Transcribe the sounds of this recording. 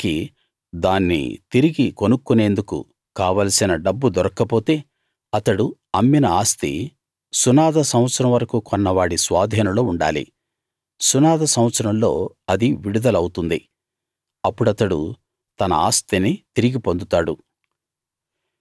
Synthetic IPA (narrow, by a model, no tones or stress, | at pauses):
ki | d̪aːnːḭt̪iɾiɡikonukːune̞ːnd̪ukṵ | kaːʋaːlɐsinɐɖɐbːud̪ɔɾɐkːɐpo̞ːt̪e̞ː | ɐt̪ɐɽuɐmːinɐaːst̪ḭ | sunaːd̪ɐsɐmɐt̪sɐɾɐmʋɐɾɐkuːkɔnːɐʋaːɽisʋaːd̪ʱiːnɐloːuɳɖa̰ːlḭ | sunaːd̪ɐsɐw̃ɐt̪sɐɾɐmlo̞ː | ɐd̪iʋiɽud̪ɐlɐwut̪und̪i | ɐpːuɽɐt̪ɐɽṵ | t̪ɐnɐ̰a̰ːst̪init̪iɾiɡipo̞nd̪ut̪aːɽu